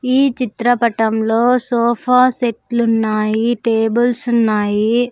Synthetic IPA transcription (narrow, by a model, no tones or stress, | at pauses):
iːt͡ʃit̪ɾɐpɐʈɐmloːsoːpʰaːseʈlunːaːjiʈeːbulsunːaːji